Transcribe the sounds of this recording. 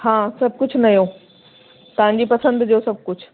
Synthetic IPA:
hãːsɐbʱkʊd͡ʑʱʊnɐijo | t̪ɐʋ̤ãɲ̆d͡ʑipɐsə̃nd̪d͡ʑosɐb̚ʱkʊd͡ʑʱʰʊ̥

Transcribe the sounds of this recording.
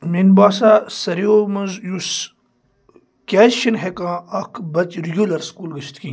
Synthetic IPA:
minbaːsaːsɐɾijomɐnzjus | kʲaːʃinɦekãːɐkʰbɐt͡ʃɾjulɐɾskuːlɡɐʃʰt̪kĩː

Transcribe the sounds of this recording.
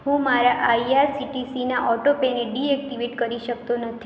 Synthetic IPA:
hũmaɾaʔaiaɾsiʈisinaʔɔʈopeneɖiɛk̚ʈiʋeʈkəɾiʃək̚t̪onət̪ʰi

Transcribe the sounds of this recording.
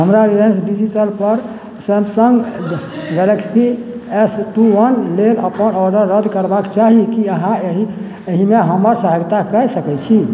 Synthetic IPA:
ɦəmɾaɾilensɖid͡ʒiʈəlpəɾ | sɛmsəŋɡ | ɡɛləksiesʈuwənleləpənɔɾɖəɾːəd̪ʱkəɾbakt͡ʃaɦikiəɦãɦi | eɦimeɦəməɾsəɦəɡt̪akəsəkɛt͡ʃʰi

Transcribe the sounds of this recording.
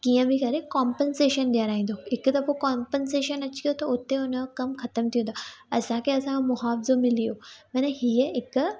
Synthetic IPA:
kiːə̃bʱĩkɐɾekaːmpənseːʃənɗijaɾaːĩːn̆d̪oɦɪkt̪ɐfokaːmpənseːʃənɐt͡ɕi̥kɐjot̪ɐʊt̪eʊnə̆kɐmxɐt̪əmt̪ʰijũnd̪aːɐsãkʰeɐsãmʊɦaːfɪzomɪlijomɐnəɦiəɦɪk

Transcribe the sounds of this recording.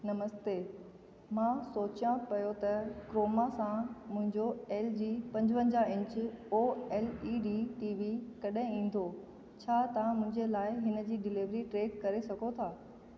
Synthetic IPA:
nɐməst̪eː | mãːsoːt͡ɕjãpɐjot̪ɐkɾoːmasãmʊ̃ɦɪ̃ɲd͡ʑoeːld͡ʑiːpɐ̃ɲd͡ʑʋə̃ɲd͡ʑaɪ̃ɲt͡ɕɪoːeːliɖiːʈiːʋikɐɗɦɪ̃ĩːn̆d̪o | t͡ɕʰaːt̪ɐãmʊ̃ɦɪ̃ɲd͡ʑelaːɪɦɪnə̆d͡ʑiːɖɪliʋɾiʈɾeːkkɐɾesɐɡʱot̪ʰaː

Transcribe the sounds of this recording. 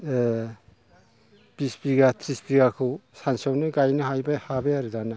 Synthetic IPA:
pispiɡatʰɾispiɡakʰɯwsansawnɯɡajnɯɦajbahabeaɾɯdana

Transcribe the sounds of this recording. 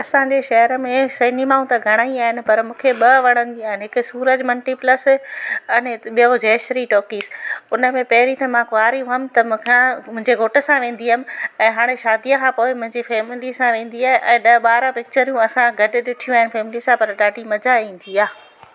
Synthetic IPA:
ɐsãd͡ʑeʃɐɦəɾəmẽsɐɦɪnimaːũt̪ɐɡʱɐɽ̃aːĩaːɦɪnɪ̆pɐɾmũːkʰeɓɐʋɐɽ̃ə̃nd͡ʑiaːɦɪnɪɦɪkʊsuːɾəd͡ʑmɐlʈipləsɐnɓiod͡ʑeːʃɾiʈoːkiːsʊnəmẽpɐɦɪɾit̪ɐmãkʊaːɾijũɦɐmɪ̆t̪ɐm̃kʰãmʊ̃ɦɪ̃ɲd͡ʑeɡʱoːʈəsãʋẽːn̆d̪iɦamɪ̆ɛ̃ːɦaːɽ̃eʃaːd̪ijəkʰãːpoːɪmʊ̃ɪ̃ɲd͡ʑifeːmɪlisãʋẽːnd̪iaːɦɪ̃ʔɛ̃ːɗɐɓaːɾãpɪk̚t͡ɕəɾijũɐsãɡʱɐɖɪ̆ɗɪʈʰijũaːɦɪnɪfeːmɪlisãpɐɾɗaːɖʱimɐd͡ʑaĩːn̆d̪ʰiaː

